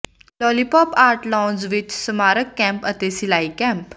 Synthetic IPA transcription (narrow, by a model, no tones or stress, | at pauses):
lɔlipɔpaɾʈlɔ̃nzʋit͡ɕsəmaɾəkːɛ̃mpət̪esilaikɛ̃mp